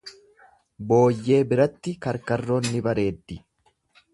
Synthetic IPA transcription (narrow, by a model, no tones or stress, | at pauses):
bo̞ːjːe̞ːbɪɾɐt̪ːɪkɐɾkɐrːoːnːɪbɐɾe̞ːd̪ːɪ